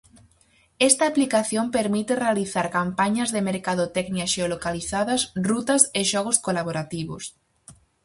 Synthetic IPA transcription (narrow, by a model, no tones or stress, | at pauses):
ɛst̪ɐːplikaθjompeɾmit̪ɪrealiθaɾkampaɲɐzðemeɾkaðʊt̪ɛkniɐʃeolokaliθaðɐsrut̪ɐseʃɔɣ̞ʊskolaβoɾat̪iβʊ̰s